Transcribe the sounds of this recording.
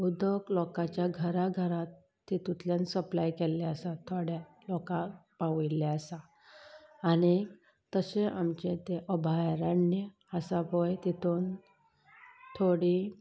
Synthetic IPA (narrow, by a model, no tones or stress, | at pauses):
ud̪əklɔkat͡ɕjaɡʱəɾaɡʱəɾat̪ː | it̪ut̪ljansəplajkɛlːeəsat̪ʰoɽja | lɔkapaʋileasaː | ɽ̃i | t̪əseʔamt͡ɕet̪eʔəbʱajɾənːjə | asapɔjt̪it̪un | t̪ʰoɽi